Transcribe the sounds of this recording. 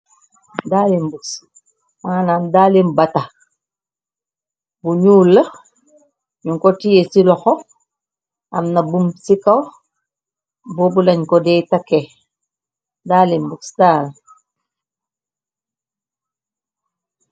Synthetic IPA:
dalimbuks | manandalimbata | buɲuːlːə | ɲuŋkotijesilɔxo | a̰mnabumsikaw | boːbulaɲkodɛtake | daːlimbuksdaːl

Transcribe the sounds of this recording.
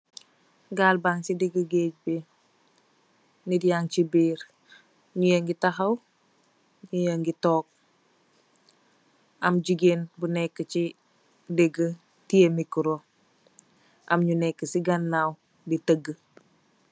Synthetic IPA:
ɡalbaŋsideɡəɡeɟbe | nidijaŋt͡ʃibiːɾ | ɲujəŋɡitaɦaw | ɲujəŋɡitoːk̚ | amɟiɡenbunekːət͡ʃi | deɡə | tiemikuɾo | a̰mɲunekːəsiɡanːaw | ditəɡə

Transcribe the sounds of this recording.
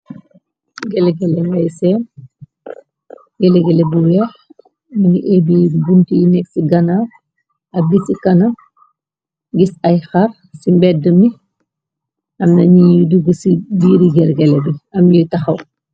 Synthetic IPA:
ɡɛlɛɡɛlɛwɐjsɛːn | ɡɛlɛɡɛlɛbuwɛːx | mɐniʔɛːbibuntijnɛk̚siɡɐna | ɐbisikɐnɐ | ɡisɐjxɐr | simbɛdəmi | ʔɐmnɐɲijiduɡəsibiːɾiɡɛlɡɛlɛbiɐmjitɐxɐw

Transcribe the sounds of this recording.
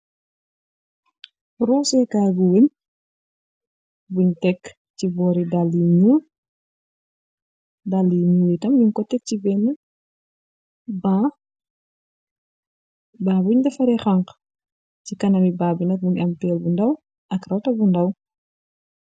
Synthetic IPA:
rɔːsɛkaːɡuwəɲ | buɲtɛk | cibɔːɾidalːiɲu | dalːiɲuːɾitɐmjuɲkɔtːɛk̚cibɛnːə | ba | baːbuɲdɐfɐɾɛxɐŋk | cikɐnɐmibaːbinɐk̚buɲɐmpɛːlbundɐw | ʔɐkrɐwtɐbundɐw

